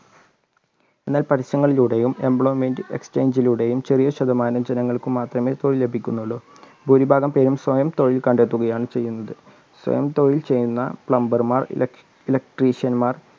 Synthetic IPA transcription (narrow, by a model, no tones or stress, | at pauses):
e̞nːaːlpɐʈiɕɐŋːɐɭiluɽe̞jume̞mbɭoːmeːndɨekst͡ɕejɲd͡ʑiluɽe̞jumt͡ɕerijɐɕɐd̪ɐmaːnɐmd͡ʑenɐŋːɐɭkɨmaːt̪rɐme̞t̪oɻile̞bʱikʲːunːuɭːu | bʱuɾibʱaːɡɐmpe̞ːɾumswɐjɐmt̪o̞ɻilkɐɳɖe̞t̪ːuɣɐjaːɳɨt͡ɕe̞jːunːɐðɨ | swɐ̰jɐmt̪oɻilt͡ɕe̞jːunːɐpɭɐmbɐrmaːr̰ | ilɐk̚ʈriːɕjɐnmaːr